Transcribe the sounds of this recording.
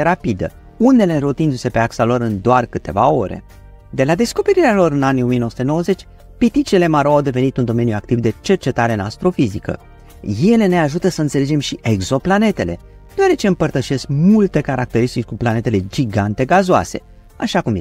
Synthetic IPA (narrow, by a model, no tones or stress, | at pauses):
eɾapid̪ə̰ | une̞le̞ɾut̪ind̪use̞pe̞aksalo̞ɾɨnd̪oarkɨt̪e̞̰va̰o̞ɾe̞̰ | d̪e̞lad̪e̞sko̞pe̞ɾiɾealo̞ɾɨnanijo̞mienoəsut̪no̞wəze̞t͡ʃʲ | pit̪it͡ʃiile̞maɾoawd̪e̞ve̞nit̪und̪o̞me̞njuakt̪ivd̪e̞t͡ʃe̞rt͡ʃe̞t̪aɾenast̪ɾo̞fizikə̰ | je̞le̞ne̞aʒut̪əsəɨnt̪se̞le̞d͡ʒe̞mʃiʔeɡzo̞plane̞t̪e̞le̞̰ | d̪̥oaɾe̞t͡ʃe̞ɨmpərt̪əʃe̞skmult̪e̞kaɾak̚t̪e̞ɾist̪it͡ʃʲkuplane̞t̪e̞le̞d͡ʒiɡant̪e̞ɡazoa̰se̞ | aʃakum